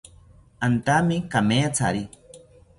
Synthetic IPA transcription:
ant̪amikameat͡sʰa̰ɾi

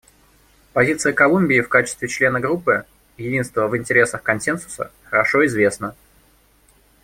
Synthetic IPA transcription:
pɐzʲit̪sɨjəkɐlˠumʲbʲɪːfkat͡ɕɪst̪vʲɪt͡ɕlʲe̞nəɡɾupːɨ | jɪdʲin̪st̪vəvɪnʲtʲɪɾʲe̞səxkɐnsʲe̞nsʊ̥sə̰xəɾɐʂo̞ɪzvʲe̞snə

